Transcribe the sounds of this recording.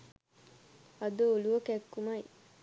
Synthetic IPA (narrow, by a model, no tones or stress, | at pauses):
ad̪əoluʋəkækːumaj